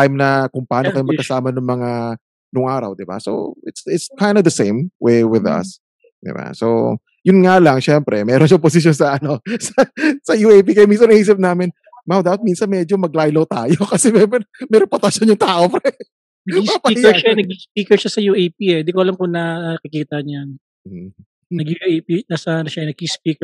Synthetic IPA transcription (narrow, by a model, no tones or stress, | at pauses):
t̪ajmnɐkʊŋpɐaːnokɐjomɐkɐsaːmɐnʊŋmɐŋa | nʊŋʔaːɾɐ̰wd̪ɪba̰so̰ɪt̪sɪt̪skajnd̪ɐd̪ɐsẽjmwejwɪðɐ̰s | d̪ɪ̰ba̰sow | jʊnŋaːlɐŋʃɛmpɾɛmɛːɾonʃɐŋpos̬ɪʃjonsɐʔɐno̞sɐsɐjuːejp̬ikɐjomĩns̬ɐnɐhiːs̬ɪp̚naːmɪn | mawd̪apɐt̪̚minsɐnmɛd͡ʒomɐɡ̚lajlowt̪aːjokɐsɛmɛmɛmɛɾɛpot̪ɐʃonjʊŋt̪aːʔofɾɛ | nɐibapɐʃaɛnɐɡispiːkɛɹʃɐsɐjuejp̚iɛd̪ikoʔɐlɐmkonɐkɪkiːt̪ɐɲan | m̩ | ɐɡuʔjpinɐsɐnɐʃɐɛnɐɡ̚ispiːkɛ